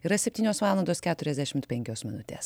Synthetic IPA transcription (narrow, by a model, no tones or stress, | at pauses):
iɾɐsʲɛpʲt̪ʲiːnʲoːsʋɑːlˠɐnd̪oːskʲæːt̪ʊɾʲɛzd̪ʲɛʃʲɪmt̪pʲɛŋʲkʲoːsmʲɪnʊt̪ʲḛːs